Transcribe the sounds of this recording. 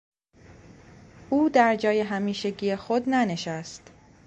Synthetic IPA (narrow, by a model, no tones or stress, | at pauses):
ʔuːd̪æɾd͡ʒɒːje̞ɦæmiːʃeɟijexod̪næne̞ʃæst̪